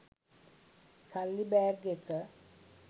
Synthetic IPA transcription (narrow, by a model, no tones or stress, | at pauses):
kʰalːibɛːɾɡekə